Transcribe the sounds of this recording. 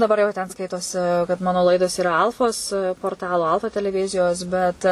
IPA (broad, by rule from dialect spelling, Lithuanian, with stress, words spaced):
dɐˈbɐr jɛʊ tʲɛn ˈskɐɪtoːsʲɪ kɐt ˈmɑːnoː ˈlˠɐɪdoːs iːˈrɐ ˈɐlˠfoːs poːrˈtɑːlˠoː ˈɐlˠfɐ tʲɛlʲɛˈʋʲɪzʲɪjoːs bʲɛt